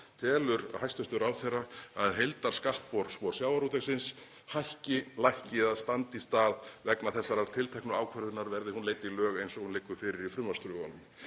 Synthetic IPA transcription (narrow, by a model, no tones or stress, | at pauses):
t̪ʰɛːlʏɾhajst̪ʏht̪ʏɾaːwθerːaaðɦejlt̪aɾ̥skaht̪̚pɔɾsvɔɾ̥sjaːwaɾut̪ɛxsɪns | hajhcɪlajhcɪðast̪ant̪ist̪aːðvɛknaθɛsːaɾaɾt̪ʰɪlt̪ʰɛjknʏaːwkʰvœɾðʏnaɾvɛɾðɪhunleːjt̪ilœːɣejnsɔɣhunlɪːkːʏ̥fɪːɾɪɾifɾʏmast̪ɾʏɣanʏm